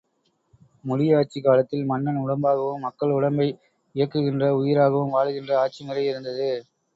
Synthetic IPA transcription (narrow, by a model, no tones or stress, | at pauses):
mʊɻɪjaːʈ̚t͡ʃikaːlɐt̪ːɪlmɐnːɐnʊɽɐmbaːɣɐʋɯmːɐkːɐɭʊɽɐmbɐɪ | ɪjɐkːɯɣɪndrɐʊjɪɾaːɣɐʋɯmʋaːɻɯɣɪndrɐaːʈ̚t͡ʃimɪrɐɪɪɾɯnd̪ɐðɯ